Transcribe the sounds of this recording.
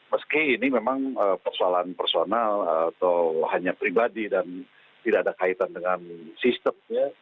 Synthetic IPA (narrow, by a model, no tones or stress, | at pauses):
məskiːnimemaŋəpərsoalanpərsonalat̪awhaɲapɾibadidan | t̪idaːdakait̪andəŋansist̪əmɲa